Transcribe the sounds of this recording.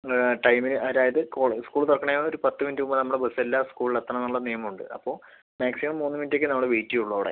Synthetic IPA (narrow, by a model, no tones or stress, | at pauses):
ʈɐjmilʔɐðaːjɐðɨkoːɭskuːɭt̪ɐrɐkɐɳɐjoɾupɐt̪ːɨmindɨumbɐnɐmːuɽe̞bɐselːaskuːɭiɭɐt̪ːɐnɳɐmnːɐmːuɭːɐnijɐmuɳɖɨʔɐ̰pːo̞ː | maːksimɐmːoːnːɨmindekʲːɨnɐmːuɽeʋeːtːijuɭːoːʋɽa̰